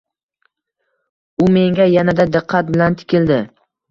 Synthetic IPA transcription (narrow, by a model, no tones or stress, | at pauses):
ʊme̞ŋɡʲajanad̪ad̪ɪqʰːat̪̚bɪlant̪ʰɪ̥kʲɪld̪ɪ